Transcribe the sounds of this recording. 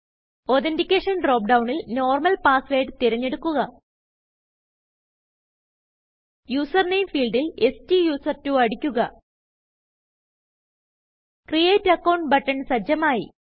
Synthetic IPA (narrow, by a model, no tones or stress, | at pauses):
oːt̪̬endikʲːeːʂɐnɖro̞ːp̚ɖɐwɳilno̞ːrmɐlpaːsʋeːɖɨt̪iɾɐɲːe̞ɽukːuɣɐ | juːsɐrnejmfiːlɖile̞stijuːsɐrtuɐɽikʲːuɣɐ | krijeːtːɐkːɐwɳʈbɐʈːɐɳsɐd͡ʑɐmaːji